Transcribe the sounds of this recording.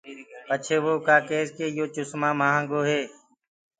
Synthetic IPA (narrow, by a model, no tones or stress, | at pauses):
pət͡ʃʰeːʋoːkaːkeːskeːjoːt͡ʃʊsmãːmaːãːŋɡoːɦeː